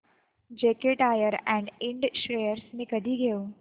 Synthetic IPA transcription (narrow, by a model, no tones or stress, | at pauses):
d͡ʒeːkeʈaːjəɾɛ̃ɳɖɪ̃ɳɖʃɾeːəɾsmẽkəɖʱiɡejo